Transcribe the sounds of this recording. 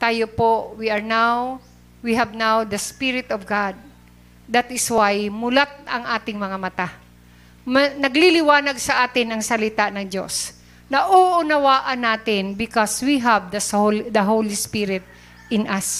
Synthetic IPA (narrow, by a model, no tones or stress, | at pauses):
t̪aːjopowiɐɹnaw | wiɦɐvnawd̪ɐspɪɾɪt̪ɔvɡad̪̚ː | at̪ɪswajmʊlat̪̚ɐŋʔaːt̪ɪŋmɐŋamɐt̪a | mɐnɐɡlilɪwaːnɐɡ̚sɐʔaːt̪ɪnɐŋsɐlɪt̪anɐŋd͡ʒo̰s | nɐʔoʔʊnɐwaːʔɐnːaːt̪ɪnbɪkɔswiɦavd̪ɐsod̪ɐɦowlispɪɾɪt̪̚ | ʔɪnɐs